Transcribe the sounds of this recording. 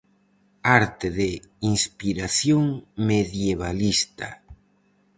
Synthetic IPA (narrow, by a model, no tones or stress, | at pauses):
aɾt̪eðeiŋspiɾaθjoŋmeðjeβ̞alist̪a̰